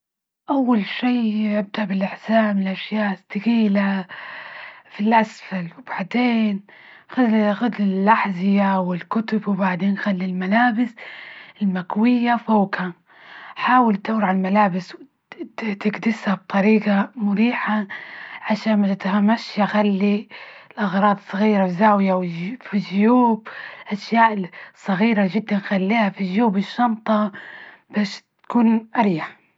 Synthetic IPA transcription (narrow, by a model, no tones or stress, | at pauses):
ʔawːalʃiːʔɪb̚d̪aʔbɪlʔɪħsaːmɪlʔaʃjaːʔɪst̪ɪɣiːla | filʔasfalwb̥aʕd̪eːn | xad̪xʊd̪lɪlːaħzɪjawɪlkʊt̪ʊbwɪbaʕd̪eːnxalːilmalaːbɪsɪlmakwɪjːafoːka | ħaːwɪlt̪awɾʕalmalaːbɪsw | t̪ɪɡd̪ɪshab̚t̪ˤɑɾiːɡamʊɾiːħaʕaʃaːnmat̪ɪt̪hamːaʃjaxalːilʔɑɣɾˤɑːd̪ˤsˤːɑɣiːɾawzaːwɪjawɪfiʒjuːbɪlʔaʃjaːʔɪsˤːɑɣiːɾaʒɪd̪ːanxalːiːhafiʒjuːbɪʃːɑnt̪ˤɑ | b̥aːʃt̪kuːnʔaɾiːaħ